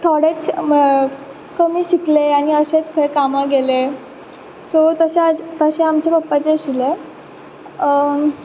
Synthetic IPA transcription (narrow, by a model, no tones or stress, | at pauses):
t̪ʰɔɽet͡s | kəmiːɕikleaɽ̃iəɕet͡skʰəekamaɡele | sot̪əɕead͡zt̪əɕeamt͡ɕepəpːat͡seɕile